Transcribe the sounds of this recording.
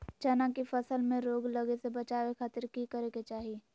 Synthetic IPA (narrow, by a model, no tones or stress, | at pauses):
t͡ʃɐnakifɐsəlmẽɾoːɡlɐɡesebɐt͡ʃaːʋekʰaːt̪əɾkikəɾeket͡ʃaːɦie